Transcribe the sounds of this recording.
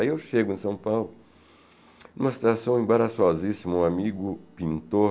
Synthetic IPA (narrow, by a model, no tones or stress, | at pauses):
aiewʃeɡʊẽsɐ̃w̃pawlʊ | nũmɐsi̥t̪asɐ̃w̃ẽbaɾasɔzisimũamiɡʊpĩnt̪o